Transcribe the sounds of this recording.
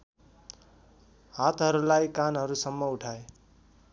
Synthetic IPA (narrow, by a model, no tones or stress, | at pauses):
ɦat̪ɦʌɾulajkanɦʌɾusʌmːʌuʈʰae